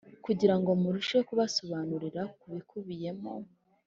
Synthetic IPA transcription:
kuɟiɾaŋɡo̞muɾuʃe̞kuβaso̞βaːnuɾiɾakuβikʰuβije̞mo̞

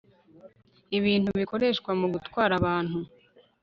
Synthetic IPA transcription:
iβiːn̥huβiko̞ɾe̞ʃkwamuɡutwaːɾaβaːn̥hu

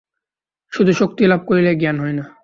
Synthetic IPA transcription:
ʃud̪ʱuʃok̚t̪ilab̚koɾileɡianɦɔjna

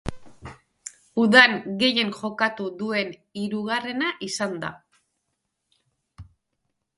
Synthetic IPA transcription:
uðaŋɡe̞je̞ŋʝo̞kat̪uðue̞niɾuɣare̞naʔisand̪a̰

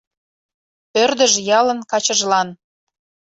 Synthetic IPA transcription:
pørd̪əʒjɑlə̆nkɑt͡ɕəʒlɑn

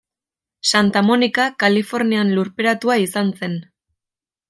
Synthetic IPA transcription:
sant̪amo̞nikakalifo̞ɾnianluɾpeɾat̪uaisanse̞n

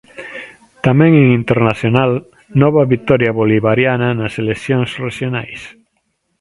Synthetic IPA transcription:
t̪amẽŋeŋint̪eɾnaθjonal | nɔβaβit̪ɔɾjaβoliβaɾjananaselekθjoŋsreʃjonajs

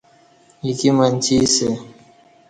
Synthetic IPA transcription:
jikimant͡ʃise

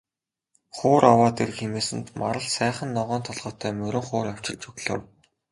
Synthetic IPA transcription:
χʊːɾawaːt̪er̆kxemeːsɘ̆nt̪maɾə̆ɮsæːχə̆nːɔʁɔːnt̪ʰɔɮʁ̥ɔːt̪ʰæːmɵɾɵ̆ɴχʊːɾaw̥t͡ɕɪ̆ɮt͡ɕɵɣɮɘ̰̆w

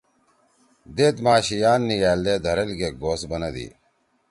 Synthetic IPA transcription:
d̪eːt̪maːɕijaːnːijaːld̪eːd̪ʱɐɾɐlɡeːɡoːsbɐnɐd̪ḭː

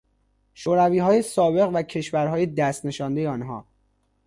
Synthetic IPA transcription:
ʃoːɾæviːɦɒːjesɒːbe̞ɣvæcʰe̞ʃvæɾɦɒːjed̪æst̪ne̞ʃɒːnd̪e̞jeɒːnɦɒ̰ː

